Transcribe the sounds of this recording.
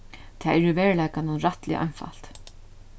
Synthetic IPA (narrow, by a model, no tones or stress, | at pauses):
t̪ʰɛːɛɾʏvɛːɹlajkanʊnɾaht̪lɪ̰ʔa̰jnfa̰l̥t̪